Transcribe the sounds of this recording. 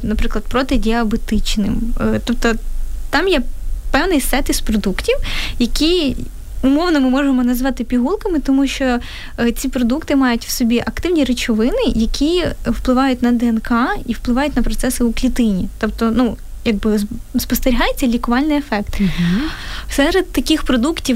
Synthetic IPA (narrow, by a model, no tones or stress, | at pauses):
nɐpɾɪklˠɐd̪̚pɾɔt̪ɪdʲiɐbet̪ɪt͡ʃnɪ̰mt̪ɔp̚t̪ɔt̪ɑmjɛpɛwnɪsɛt̪ɪspɾɔd̪uktʲiwjɐkʲi | ʊmɔwnɔmɪmɔʒemɔnɐzʋɑt̪ɪpʲiɦulˠkɐmɪt̪ɔmuʃt͡ʃɔ | t͡sʲipɾɔd̪ukt̪ɪmɑjʊtʲwsɔbʲiʔɐkt̪ɪwnʲiɾet͡ʃɔʋɪnɪjɐkʲʰiwplˠɪʋɑjʊt̚ʲnɐd̪ɛɛnkɑiwplˠɨʋɑjʊtʲnɐpɾɔt̪sɛsɪuklʲit̪ɪnʲit̪ɔpt̪ɔnujɐɡ̚bɪspɔst̪eɾʲiɦɑjet͡sʲːɐlʲikʊʋɑlʲnɪjefɛkt̪ | sɛɾed̪̚t̪ɐkʲixpɾɔd̪uktʲiw